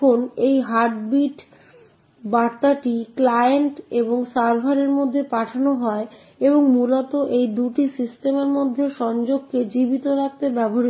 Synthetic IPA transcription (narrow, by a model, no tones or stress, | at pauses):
onejɦaɾʈbiʈ | baɾt̪ːaʈiklajeɳʈeboŋsaɾbʱaɾeɾmod̪ʱːepaʈʰanoɦɔe | eboŋmulɔt̪oʔejd̪uʈisisʈemeɾmod̪ʱːeʃɔnd͡ʑoɡ̚ked͡ʑibit̪oɾak̚t̪ebɛboɦaɾi